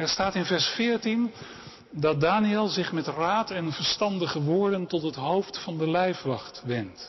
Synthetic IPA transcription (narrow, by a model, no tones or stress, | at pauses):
ɛɹstaːtɪnvɛɹsfɪːɹtin | dɑt̚daːniɛlˠzɪχmɛtraːtɛnvəɹstɑndəχəʋʊːɹdəntɔtɦətɦowftfɑndəlɛjfʋɑχtʋɛnt